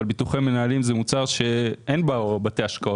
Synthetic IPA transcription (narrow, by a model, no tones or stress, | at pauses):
lbituχeme̞naːlimzemut͡saʁʃe̞ʔe̞nbabate̞aʃkao